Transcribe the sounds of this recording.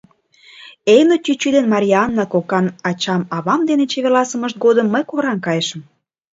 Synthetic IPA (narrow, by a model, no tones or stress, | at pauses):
ejnot̪ʲyt͡ɕyd̪enmɑɾʲiɑnːɑkokɑnɑt͡ɕɑmɑβɑmd̪enet͡ɕeβelɑsə̆məʃt̪̚ɡod̪əmːəjkoɾɑnkɑjeʃə̆m